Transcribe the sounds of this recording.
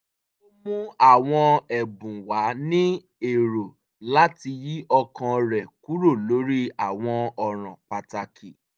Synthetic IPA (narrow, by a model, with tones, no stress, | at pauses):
o˦mũ˦a˦˨w̃ɔ̃˧ɛ˨bũ˨wa˨˦nĩ˦ | e˨ɾo˨ | la˦ti˧ji˦ʔɔ˧kã˧ɾɛ˨ku˨˦ɾo˦˨lo˨˦ɾi˦a˨w̃ɔ̃˧ɔ˨ɾ̃ã̰˨k͡pa˧ta˧kʰi˨